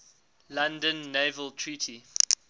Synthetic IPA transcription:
lãndə̃nːeːvəlˠtʰɹiːˑtʰi

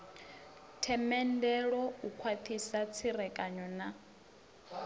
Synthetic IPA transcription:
tʰɛmɛndɛɺɔukʰwat̪ʰisat͡sʰiɾɛkʼaɲɔna

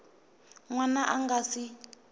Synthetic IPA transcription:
ŋwanaʔaŋɡasi

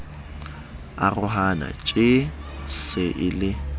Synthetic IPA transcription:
arʊɦana̰t͡ʃʼɪsɪʔɪlɪ

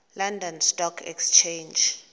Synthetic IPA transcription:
landɔnstɔkʰɛ̰kst͡ʃʰend͡ʒ

